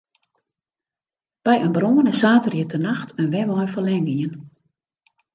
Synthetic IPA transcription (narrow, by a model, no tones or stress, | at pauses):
b̥ɛjənbroːənəsaːtərjiətʰənaxtʰənʋɛʋɔjnfəlɛŋɡiən